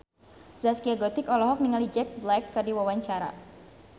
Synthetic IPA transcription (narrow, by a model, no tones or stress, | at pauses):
zaskiaɡɔt̪ikɔlɔɦɔk̚niŋalid͡ʒɛk̚blɛkːərdiwawaɲt͡ʃaɾa̰